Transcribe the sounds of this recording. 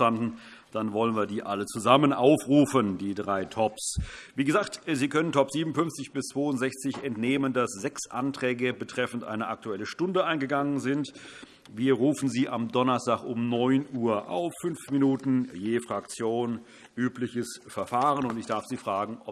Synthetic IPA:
andn̩ | d̥anvɔlənviːɐdiːʔalət͡suzamənʔaʊfʁuːfəndiːdʁaɪtʰɔpsviːɡəzaːktziːkʰœnəntʰɔpz̥iːbmn̩fʏnft͡sɪçb̥ɪst͡sv̥oːʊntzɛçt͡sɪçɛntneːməndasz̥ɛksʔa̰ntʁ̥ɛːɡəbətʁ̥ɛfn̩tʔa̰ɪnəʔak̚tuɛləʃtʊndəʔaɪnɡəɡaŋənzɪnt | viːɐʁuːfn̩ziːʔamdɔnɐstaːkʊmnɔʏnʔuːɐʔa̰ʊfʏnfminuːtn̩jeːfʁ̥ak̚t͡sjoːn | ʔyːplɪçəsfɛɐfaːʁ̞ənʊntɪçd̥aɐfz̥iːfʁ̥aːɡŋ̩ʔɔ

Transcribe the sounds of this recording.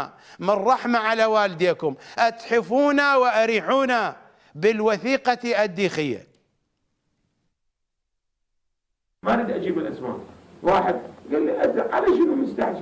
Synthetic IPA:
a | mɪrˤːɑħmaʕalawaːld̪eːkʊmʔat̪ħɪfuːnawɪʔaɾiːħuːna | bɪlwaθiːqɑʔad̪ːiːxɪjːa̰ | maɾid̪ʔad͡ʒiːbɪlʔasma̰ːʔwaːħɪd̪̚ɡalːiʔazaʕalaʃɪnumʊst̪aħd͡ʒ

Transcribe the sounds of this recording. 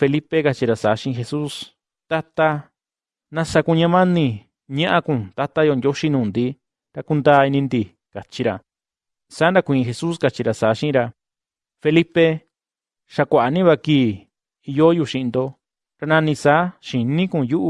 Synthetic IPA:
felipekat͡ʃiɾasaːʃĩʔĩxesus | t̪at̪a | nãsakũɲãmãnĩ | ɲãʔakũt̪at̪ajond̪joʃinũːnd̪i | ɾakund̪aːinĩnd̪i | kat͡ʃiɾa | saːnd̪akʷĩĩxesuskat͡ʃiɾasaːʃĩĩɾa | felipe | ʃakʷaʔanĩβakiː | ijojuʃĩind̪o | ɾanãnĩsaːʃinĩkũjuʔ

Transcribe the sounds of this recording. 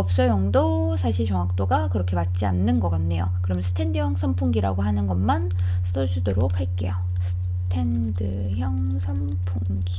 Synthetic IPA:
ʌp̚s͈ʌjʌŋdo | sʰaɕʰiɭt͡ɕʌŋak̚t͈oɡakɯɾʌkʰe̞mat̚t͡ɕ͈ia̰nːɯnɡʌk͈annːe̞jo̰kɯɾʌmjnsʰɯ̥tʰendɯjʌŋsʰʌmpʰuŋɡiɾa̰ɡoɦanɯnɡʌnman | sʰɯ̥dʰʌsʰudoɾokhaɭk͈e̞̰jo | sʰɯ̥ | tʰe̞n | dɯ | çjʌŋ | sʰʌm | pʰuŋɡi

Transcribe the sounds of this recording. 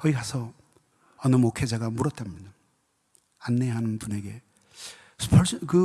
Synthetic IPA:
kʌikʰasʰʌ | ʌnɯmokʰed͡ʑaɡamuɾʌt̚t͈amɲida | anːeɦanɯnbune̞ɡe̞ | sʰɯ̥pʰʌɭskɯ

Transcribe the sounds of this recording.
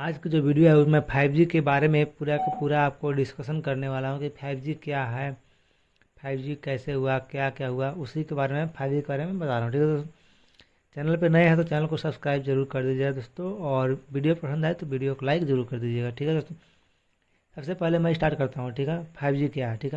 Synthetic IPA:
aːd͡ʒkid͡ʒoːʋiːɖijoɦɛʊmɛ̃pʰaːɪbd͡ʒikebaːɾemẽpuːɾakapuːɾaaːp̚koɖɪskəʃənkɐɾneʋaːlaɦũkipʰaːɪbd͡ʒikjaɦɛː | pʰaːɪbd͡ʒikɛːseɦʊakjakjaːɦʊaʊsikebaːɾemẽpʰaːɪbd͡ʒikebaːɾemẽbɐt̪aːɾaːɦũʈʰiːkɦɛd̪oːs | t͡ʃɛːnəlpenɐĩɦɛt̪̬ot͡ʃɛːnəlkosɐbskɾaːɪbzɐɾuːɾkɐɾd̪iːd͡ʒaːed̪oːst̪õɔːɾʋiːɖijopɾɐsə̃nd̪ɦɛt̪oʋiːɖijokolaːɪkzɐɾuːɾkɐɾd̪iːd͡ʒeːɡaʈʰiːkɛd̪oːst̪õ | sɐbsepɛɦlemɛ̃ɪsʈaːɾʈkɐɾt̪aɦũʈʰiːkɦɛpʰaːɪbd͡ʒikjaɦɛʈʰiːkɛ

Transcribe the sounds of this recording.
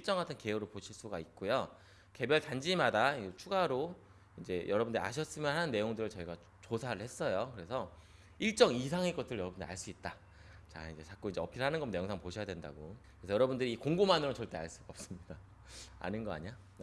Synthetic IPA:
iɭt͡ɕ͈ʌŋatʰʌnke̞oɾoɭpoɕʰiɭs͈uɡait̚k͈ojo | ke̞bjʌɭtand͡ʑimadait͡ɕʰuɡaɾo | ind͡ʑe̞jʔʌɾʌbundɯɾia̰ɕ̬ʰʌs͈ɯmjʌnhanɯnːe̞joŋdɯɾɯɭt͡ɕʌiɡa | t͡ɕosʰaɾɯɭhes͈ʌjokɯɾe̞sʰʌ | iɭt͡ɕ͈ʌŋis̬ʰaŋek͈ʌtʰɯɾɯɭjʌɾʌbundɯaɭs͈uit̚t͈a | t͡ɕa̰ind͡ʑe̞t͡ɕak͈̚oind͡ʑeʌpʰiɾɭhanɯnɡʌmnejoŋsʰaŋpoɕʰʌjadwe̞nda̰ɡokɯɾesʰjʌɾʌbundɯɾiːkoŋɡomanɯɾot͡ɕʌɭt͈e̞a̰ɭs͈uɡaʌp̚s͈ɯmɲida | a̰nɯnɡʌa̰ɲa

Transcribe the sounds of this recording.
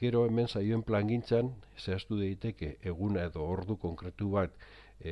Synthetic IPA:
e̞ɾo̞e̞me̞nsajoe̞mplaŋɡint͡sanseast̪uðajt̪e̞ke̞ʔːɣ̞unae̞ðo̞ːɾðuko̞ŋkɾe̞t̪uβat̪

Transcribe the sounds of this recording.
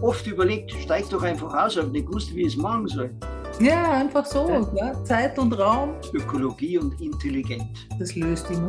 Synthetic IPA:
ʔɔftyːbɐleːk̚tʃtaɪk̚d̥ɔχãɪnfaχaʊsafnɛt̚vʊstviːəsmɑχn̩zɔl | jaːaɪnfaxsoːnət͡saɪtʊntʁaʊm | økʰoloɡiːʊntɪntʰeliɡɛnt | d̥ɐsløːstin

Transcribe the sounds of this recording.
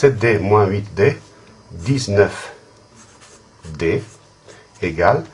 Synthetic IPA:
sɛt̪̚d̪emwɛ̃wit̪d̪e | d̪isnœf | d̪e | eɡal

